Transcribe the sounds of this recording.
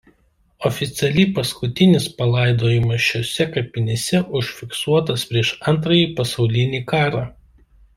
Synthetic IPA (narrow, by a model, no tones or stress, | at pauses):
ɔfʲɪt̪sʲɛlʲiːˑpɐskʊt̪ʲɪnʲɪspɐlˠɐˑɪd̪oːjɪmɐʃʲoːsʲɛkɐpʲɪnʲesʲɛʔʊʃʲfʲɪksuɔt̪ɐspʲɾʲiɛʃɐnˑt̪ɾɐjiːpɐsɒʊlʲɪnʲiːkɑːɾɑː